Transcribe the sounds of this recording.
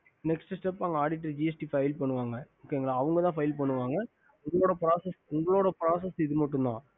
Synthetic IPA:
nɛksʈɯsʈɛpːaːŋɡɐaːɽɪʈːɐɾd͡ʒiɛsʈifɐɪlpɐɳːɯʋaːŋɡɐoːkːeːŋɡɐɭaːɐʋɐŋɡɐt̪ãːfɐjɪlpɐɳːɯʋaːŋɡɐ | ʊŋɡɐɭoːɽɐpɪɾaːsɐsʊŋɡɐɭoːɽɐpɪɾaːsɐsɪðɯmɐʈːɯnd̪ã̰ː

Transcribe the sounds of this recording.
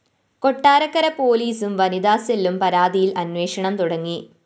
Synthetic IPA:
ko̞ʈːaːɾɐkːɐɾɐpo̞ːliːsumʋɐnid̪aːsɐlumpɐɾaːd̪ijilɐnwe̞ːʂɐɳɐmt̪uɽɐŋːi

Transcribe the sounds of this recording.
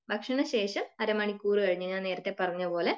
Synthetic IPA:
bʱɐkʂɐɳɐɕe̞ːʂɐmɐɾɐmɐɳikʲːuːrɨkɐɻiɲːɨɲːaneːɾɐt̪ːe̞pːɐrɐɲːɐpo̞ːle̞

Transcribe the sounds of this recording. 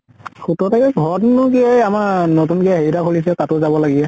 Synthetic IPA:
xutɔtakɛɡʱɔtnʊkiajamaɹnotunkiaɦejɾakʰolisɛtatʊzabɔlaɡiɛ

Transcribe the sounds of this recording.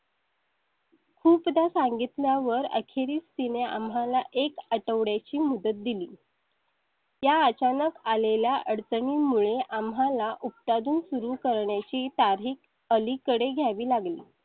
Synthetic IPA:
kʰuːpd̪asaŋɡit̪ljaʋəɾə̰kʰeɾiːst̪inea̰mɦalaʔekəʈəʋɽjat͡ɕiːmud̪ət̪̚d̪iliː | jaət͡ɕanəkaleljaʔəɽt͡səɳiːmuɭeʔamɦalaʔupt̪ad̪uːnsuɾuːkəɾɳjat͡ɕiːt̪aɾɦiːk̚ | əlikəɽeɡʱjaʋiːlaɡlḭː

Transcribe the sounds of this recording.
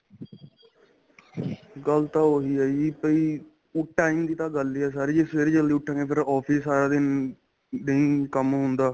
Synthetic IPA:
ɡəlt̪ãːoːɦiːaːiipəiː | ʈːaːimd̪iːt̪ãːɡəlːiːɛːsaːɾiːd͡ʒeːseɾd͡ʒəld̪iːʊʈʰːãːŋɡeːpʰɪɾɔːpʰiːsːaːɾaːd̪ɪn | nəĩːkəmɦʊ̃nd̪aː

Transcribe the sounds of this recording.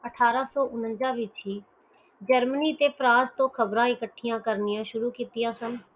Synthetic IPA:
əʈʰaːɾaːsɔːʔʊnənd͡ʒãːʋɪt͡ʃɦiː | d͡ʒəɾməniːt̪eːpʰɾãːst̪õːkʰəbɾãːɪkəʈʰːɪjãːkəɾnɪjãːʃʊɾuːkiːt̪ɪjãːsən

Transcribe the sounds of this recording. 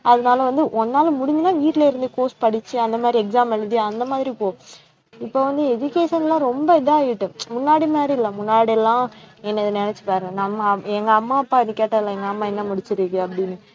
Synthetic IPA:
ɐðɐnaːlɐʋɐnd̪ɯʔɔnːaːlɐmʊɽɪɲd͡ʒɯnaːʋiːʈːlɐɪɾɯnd̪ɯkoːspɐɽɪt͡ʃːɯɐnd̪ɐmaːðɾiɛksaːmɐlðɯɐnd̪ɐmaːðɪɾipoː | ɪpːoːʋɐnd̪ɯɛd͡ʒʊkeːʂɐnɛlãːɾɔmbɐɪðɐaːjɪʈːɯmʊnːaːɽimaːdɾiɪlːɐmʊnːaːɽiɛlːãːɛnːɐðɯnɛnɛt͡ʃːɯ̥paːɾɛ̃ːnɐmːɐɛŋɡɐːmːaːɐpːaːɪnːɯkːeːʈːaːɪlãɛŋɡɐɐmːaːɛnːɐmʊɽɪt͡ʃːɪɾikɯɐpːɐɽɪnːɯ

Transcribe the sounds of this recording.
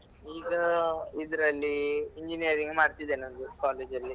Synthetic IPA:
iːɡɐid̪ɐɾɐlːiiɲd͡ʒinijɐɾiŋɡmaːɽt̪id̪eːnond̪ukaːle̞ːd͡ʒɐlːi

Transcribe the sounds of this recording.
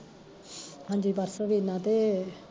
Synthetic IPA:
ɦãːɲd͡ʒiːbəɾsəʋiːnãːt̪e

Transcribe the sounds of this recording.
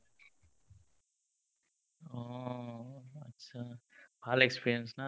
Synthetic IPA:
aː | ɐtːɕabaːlɐekspiːɾiɐnsnaː

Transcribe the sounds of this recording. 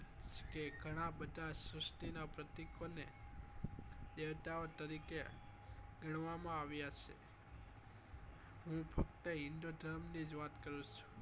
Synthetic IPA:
t͡ʃkeɡʱəɽ̃abəd̪ʱasɾəsʈ̪inapɾət̪ikone | d̪eʋt̪aot̪əɾike | ɡəɳ̃ʋamãaʋjat͡ʃʰḛ | ɦũpʰək̚t̪əɪɳɖod̪ʱəɾmnid͡ʒʋat̪kəɾũt͡ʃʰũ̥

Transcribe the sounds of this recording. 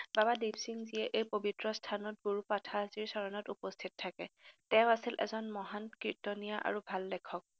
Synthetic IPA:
babadibsiŋzijɛʔejpobʱitɹɔstʰanɔt̚ɡoɹupatʰaziɹsɔɹɔnɔtupɔstʰittʰːakɛtɛʊasilʔɛ̰zɔnmɔɦankɹitɔnijaʔa̰ɹubʱaldɛkʰɔk̚

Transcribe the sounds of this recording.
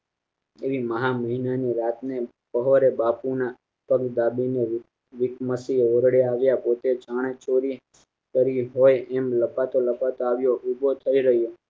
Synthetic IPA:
eʋiməɦaməɦinaniɾat̪ne | pəɦoɾebapuna | pəɡd̪abine | ʋɪkməsioɾɽjaːʋjapot̪et͡ʃaɽ̃et͡ʃoɾi | kəɾiɦojɛmləpat̪oləpat̪oaʋjoʔubʱot̪ʰəiɾəɦjo

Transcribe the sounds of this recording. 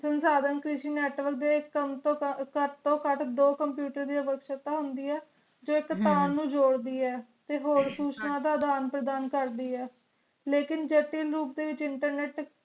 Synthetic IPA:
sənsaːd̪ənkɾɪʃiːnɛːʈʋəɾkd̪eːɪkːmt̪okət̪õːkəʈʰd̪oːkəmpjuːʈəɾd̪iːəʋəkʃət̪aːɦʊnd̪iːɛː | d͡ʒoːɪkt̪aːnːũːd͡ʒoːɽd̪iːɛːt̪eːɦoːɾsuːt͡ʃnaːd̪aːd̪aːnpɾəd̪aːnkəɾd̪iːɛː | leːkɪnd͡ʒəʈiːlɾuːpd̪eːʋɪt͡ʃɪɳʈəɾnɛːʈ

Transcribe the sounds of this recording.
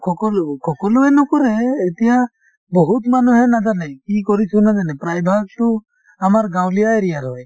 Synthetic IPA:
kʰɔkɔlukʰɔkɔluɛnɔkɔɾɛːt̪ɛja | bɔɦut̪manuɦɛnad͡ʒanɛkikɔɾisʰunad͡ʒanɛpɾajbʱaɡ̚t̪u | amaɾɡawlijaɛɾijaɾɔj

